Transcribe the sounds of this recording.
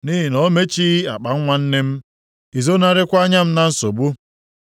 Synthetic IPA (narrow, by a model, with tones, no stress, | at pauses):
ni˦ɦi˨nɔ˨˦me˦t͡ʃi˦a˨k͡pa˨ŋ̩˦ŋʷa˦n̩˦ne˦m̩˦ | i˨zo˦na˦ɾɪ˦kʷa˦ɲa˦m̩˦na˦n̩˦so̰˨bu˦